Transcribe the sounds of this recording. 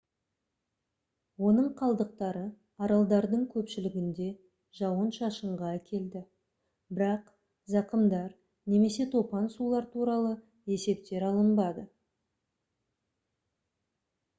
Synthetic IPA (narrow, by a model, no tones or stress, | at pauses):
wo̞nəɴqʰɑlˠd̪əq̚t̪ɑɾə | ɑɾɑlˠd̪ɑɾd̪əɴkʲʰɵpʃɪlɪɡʲɪnd̪e̞ | ʒɑwənʃɑʃəɴʁɑækʲʰe̞ld̪ɪ | bɪɾɑq | zɑqəmd̪ɑɾ | ne̞me̞se̞t̪ʰo̞pɑnsulˠɑɾt̪ʰuɾɑlˠə | e̞se̞p̚t̪e̞ɾɑlˠəmbɑd̪ə